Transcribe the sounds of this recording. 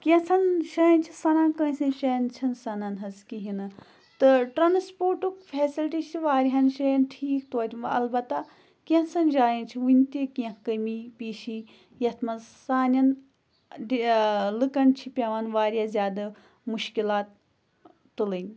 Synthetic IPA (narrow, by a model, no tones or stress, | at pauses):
kiɐ̃sʰɐnʃɐnʲt͡ʃʰisɐnaːnkə̃ːsɐnʃɐjnt͡ʃʰɐnsɐnɐnɦɐzkiɦinɨ | t̪ɨʈɾɐnspoːɾʈukfʰeːsilʈit͡ʃʰiʋaːɾiɦɐnʃɐjɐnʈʰiːkt̪oːt̪ʲimɐ̰lbɐt̪a | kiɐ̃sɐnd͡ʒaːjint͡ʃʰiʋunʲt̪ikiɐ̃kkəmipiːʃi | jɐt̪ʰmɐzsaːnʲɐn | ɖilɨkɐnt͡ʃʰipʲɐʋanʋaːɾʲijazʲjaːd̪ɐ | muʃkilaːt̪ː | ɨlɨnʲ